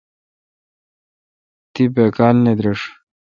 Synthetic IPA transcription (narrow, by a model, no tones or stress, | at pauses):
t̪ipekaːlned̪ɾeʂ